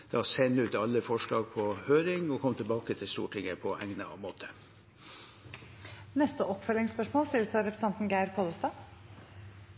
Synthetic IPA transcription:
d̪̥ɛɑsɛnːʉːt̪ɑlːəfɔʂɭɑːɡ̚pʰɔhøːɾɪŋɔkʰɔmt̪ʰɪlbɑːkət̪ʰɪlst̪ṵːʈʰɪŋːəpʰɔʔæŋnəɑ̰ʋmoːt̪ʰə̥ | nɛst̪əʔɔpːfœlɪŋspœʂmoːlst̪ɪlsɑɾɛpɾəsɛnt̪n̩ɡæɪɾkʰoːləst̪ɑː

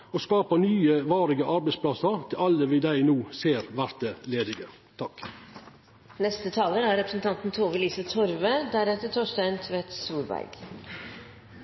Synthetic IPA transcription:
oskɑːpənyːəʋɑːɾɪɡəʔɑɾbɛɪspʰlɑsəɾt̪ʰɪlɑlːəʋɪd̪æɪnuːseːɾʋæɾt̪əleːd̪ɪɡə | t̪ʰɑk | nɛst̪ət̪ʰɑːləɾæɾɛpɾəsnt̪ʰɑnt̪n̩t̪ʰoːʋəliːsət̪ʰɔɾʋəd̪æɾɛt̪əʈʰɔʂʈæɪnt̪ʰʋɛt̪suːlbæ̰ɾɡ̥

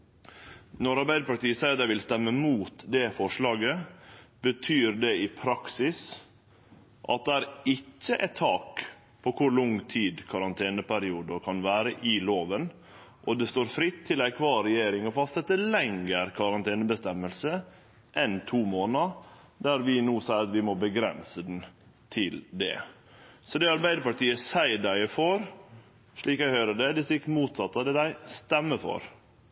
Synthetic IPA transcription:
nɔɾɑɾbæɪd̪əpɑʈt̪iːəsæɪt̪æʋɪlst̪ɛmːəmuːt̪d̪ɛfɔʂɭɑːɡəb̥ət̪ʰyːɾɖ̪ɛɪpʰɾɑksɪs | ʔɑ̰t̪̚d̪ɛæɾɪcːəʔɛt̪ʰːɑːk | pʰɔkʰʊɾɭʊŋt̪ʰiːd̪kʰɑɾɑnt̪ʰeːnəpʰæɾɪuːd̪əkʰɑnʋæːɾəʔɪloːʋən | ʔɔd̪ɛst̪oːɾfɾɪt̪ʰːɪlæɪkʰʋɑːɾɛjeːɾɪŋɔfɑst̪ɛt̪ːəlɛŋːəɾkʰɑɾɑnt̪ʰeːnəbəst̪ɛmːəlsə | ʔɛnt̪ʰuːmoːnɑ | d̪æɾʋɪnuːsæɪɾɑt̪ʋɪmɔbəɡɾɛ̰nsəd̪n̩ | t̪ʰɪld̪ɛ̰ | sɔd̪ɛɑɾbæɪd̪əpɑʈiːəsæɪɖæɪfɔɾ | ʂɭiːkæɪhœːɾəɖɛd̪ɛst̪ɪkːmuːt̪sɑt̪ːɑd̪ɛd̪æɪst̪ɛmːəfɔ̰ɾ

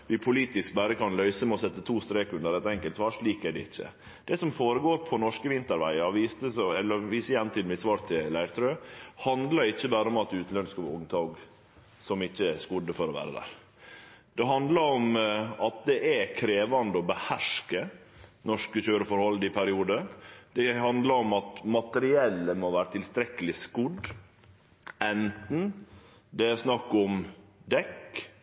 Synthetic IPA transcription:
ʋɪpʰʊliːt̪ɪsk̚bæɾəkɑnlœʏsəmɛɔsɛt̪ːət̪ʰuːst̪ɾeːkʉnd̪əɾɛt̪ɛŋkəlt̪sʋɑːɾʂɭiːkæɖɛ̰ɪçːə̰ | d̪̥ɛsɔmfoːɾəɡoːɾpʰɔnɔʂkəʋɪnt̪əɾʋæ̰ɪɑʋiːst̪əsɔɛlːəɾʋiːsəjɛnt̪ʰɪlmɪsʋɑːɾt̪ʰɪllæɪɾt̪ʰɾøːhɑnd̪lɑɾɪçːəbæːɾəɔmɑt̪ʉːt̪nœnəskɑb̰ːʊŋt̪ʰɑɡ | sɔmɪçːəɛskʊd̪əfɔɾɔʋæ̰ːɾə̰d̪æ̰ːɾ | d̪̥ɛɦɑnd̪ləɾɔmɑt̪̚d̪ɛʔækʰɾeːʋɑnd̪əɔbəhæʂkənɔʂkəçøːɾəfɔɾhɔlːɪpʰæɾɪuːd̪əɾd̪̥ɛhɑnd̪lɑɾɔmɑt̪mɑt̪əɾɪɛlːəmoːʋæːɾət̪ʰɪlst̪ɾɛkːəlɪskʊd̪ | ɛnt̪n̩ | d̪ɛæsnɑkːɔmd̪ɛk

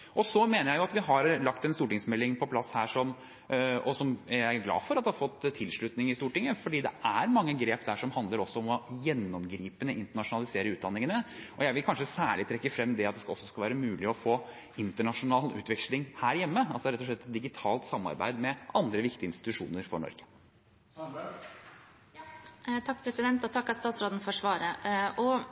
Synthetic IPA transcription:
ʔɔsɔmeːnəjæɪjʊɑt̪ʋɪɦɑɾlɑkt̪ɛnst̪uːʈɪŋsmɛlːɪŋpʰɔpʰlɑshæːʂɔm | ɔsɔmæɡlɑ̰ːfɔɾɑt̪d̪hɑfɔt̪ʰːɪlʂɭʉt̪nɪŋɪst̪uːʈɪŋːəfɔɖiːd̪ɛʔæɾmɑŋːəɡɾeːpd̪æʂɔmhɑnd̪ləɾɔsːɔɔmɔjɛnːɔmɡɾiːpənəʔɪnt̪əɳɑʂʊnɑlɪseːɾəʉːt̪d̪ɑnːɪŋənəʔɔjæɪʋɪlkʰɑnʂəsæːɭɪt̪ʰɾɛkːəfɾɛmːd̪ɛɑt̪̚d̪ɛskɑɔ̰sːɔskɑlʋæːɾəmʉːlɪɔfoː | ɪnt̪əɳɑʂʊnɑːlʉ̰ːt̪ʋɛkʂlɪŋhæːɾjɛmːəɑlsɔɾɛt̪ːɔʂɭɛt̪ːɛt̪̚d̪ɪɡɪt̪ʰɑːlt̪sɑmːɑ̰ɾbæ̰ɪd̪mɛʔɑnd̪ɾəʋɪkt̪ɪəɪnst̪ɪ̥t̪ʉʂṵːnəɾfɔ̰ɳɔ̰ɾɡ̥ə̥ | t̪ʰɑkːpʰɾɛsɪd̪ɛnt̪ɔt̪ʰɑkːɑst̪ɑːt̪sɾoːd̪n̩fɔʂʋɑːɾəʔɔ

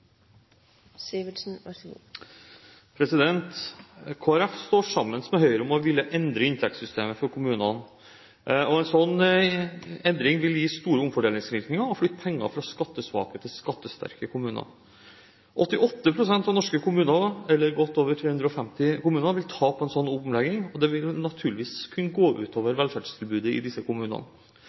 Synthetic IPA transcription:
siʋsn̩ | pʰɾɛsɪd̪ɛnt̪kʰoːæɾɛfst̪oːʂɑmːənsmɛɦœʏɾɔmɔʋɪljəʔɛnd̪ɾəɪnt̪ʰɛk̚t̪sʏst̪eːməfɔɾkʰʊmʉːnɑn | ɔɛnsɔnː | ɛnd̪ɾɪŋʋɪljiːst̪uːɾəʊmfɔɖeːlɪŋsɾɪɾknɪŋəɾɔflʏt̪ːpʰɛŋːɑ̰fɾɑskɑt̪ːəsʋɑ̰ːkət̪ʰɪlskɑt̪ːəst̪æ̰ɾkəkʰʊmʉːnɑ̰ | ʔɔt̪ːɪʔɔt̪ːəpʰɾʊsɛnt̪ɑʋnɔʂkəkʰʊmʉːnɑɛlːəɾɡɔt̪ːoːʋəʈʰɾeːʉnd̪ɾəɔfɛmt̪ɪkʊmʉːnəʋɪlt̪ʰɑːpʰːɛnsɔnːuːpəmlɛɡɪŋɔd̪ɛʋɪlnɑt̪ʰʉːlɪʋiːskʰʉnːəɡoːʔʉ̰ːt̪ʰoːʋəɾʋɛlfæɖ̥ʂt̪ʰɪlbʉːd̪əɪ̰d̪ɪsːəkʊmʉːnɑ̰n

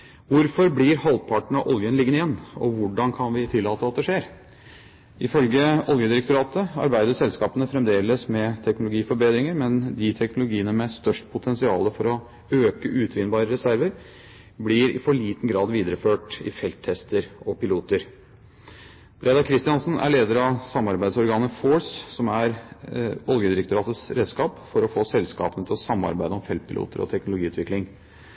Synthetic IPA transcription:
ʋʊɾfɔɾblɪɾhɑlpʰɑʈɳ̩ɑʔɔljənlɪɡːənɪjɛnːɔ̰ʋʊɖɑnkʰɑnʋɪt̪ʰɪlːɑːt̪əɑt̪̚d̪ɛʂeːɾ | ʔɪfœlɡəɔljəd̪ɪɾɛkt̪ʊɾɑːt̪əɑ̰ɾbæɪd̪əsɛlskɑːpənəfɾɛmd̪eːləsmɛt̪ʰɛknʊlʊɡiːfɔɾbeːd̪ɾɪŋəɾmɛnd̪ɪt̪ʰɛknʊlʊɡiːənəmɛst̪œʂʈpʰʊt̪ʰɛnsɪɑ̰ːləfɔɾɔ | øːkəʔʉːt̪ʰʋɪnbɑːɾəɾɛsæɾʋəɾ | blɪɾɪ̰fɔɭiːt̪n̩ɡɾɑːd̪ʋiːd̪əɾəføːʈɪ̰fɛlt̪ʰːɛst̪əɾɔpɪluːt̪əɾ | b̥ɾʔed̪ɑkʰɾɪst̪ɪɑnsnæ̰ɭeːd̪əɾɑʋsɑmːɑɾbæɪd̪sɔɾɡɑːnəfoːssɔmæɾʋɑljəd̪ɪɾɛk̚t̪ʊɾɑːt̪ət̪sɾeːd̪skɑːpfɔɾɔfoːsɛlskɑ̰ːpənət̪ʰɪlsɑmːɑ̰ɾbæɪd̪əɔmfɛlt̪̚pʰɪlṵːt̪əɾɔ̰t̪ʰɛknʊlʊɡiːʉːt̪ʋɪklɪŋ

